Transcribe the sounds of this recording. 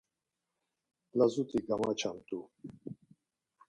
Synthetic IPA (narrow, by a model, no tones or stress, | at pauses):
lazut̪iɡamat͡ʃamt̪u